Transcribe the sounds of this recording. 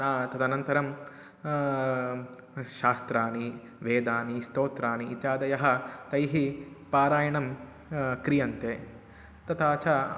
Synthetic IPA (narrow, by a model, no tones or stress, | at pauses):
naːt̪ɐd̪ɐnɐnt̪ɐɾɐm | ʃaːst̪ɾaːni | ʋeːd̪aːnist̪oːt̪ɾaːniʔːt̪jaːd̪ɐjɐɦɐ̆t̪ɐjɦipaːɾaːjɐɳɐm | kɾijɐnt̪eː | t̪ɐt̪aːt͡ʃa